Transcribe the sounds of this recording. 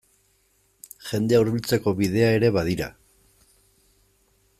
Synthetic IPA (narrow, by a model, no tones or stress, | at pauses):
ʝe̞nd̪eauɾβilt͡se̞ko̞βiðe̞ae̞ɾe̞βað̞iɾa̰